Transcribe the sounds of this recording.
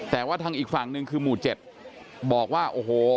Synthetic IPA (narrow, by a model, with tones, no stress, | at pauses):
t̪ɛː˨˩waː˥˩t̪ʰa˧ŋʔiː˨˩k̚fa˨˩ŋnɯ˧ŋkʰɯː˧muː˨˩t͡ɕe˨˩p̚ | bɔː˨˩k̚waː˥˩ʔoː˨˩ɦoː˨˩˦